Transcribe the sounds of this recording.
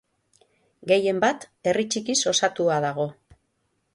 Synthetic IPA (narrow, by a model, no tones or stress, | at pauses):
ɡe̞je̞mbat̪e̞rit͡ʃikiso̞sat̪uaðaɣ̞o̞